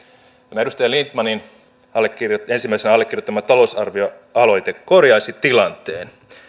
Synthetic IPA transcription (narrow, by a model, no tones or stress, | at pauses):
kɑmæeɾust̪ɑjɑlint̪mɑnin | ɑlːekːirjoe̞nsimːæisenɑlːekːirjot̪ːɑmːæt̪ɑlo̞usɑrʋio | ɑlo̞jt̪ekko̞rjɑjsit̪ilɑnt̪eːn